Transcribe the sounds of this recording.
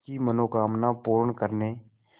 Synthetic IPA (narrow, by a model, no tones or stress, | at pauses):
kimənoːkaːmnapuːɾɳkəɾneː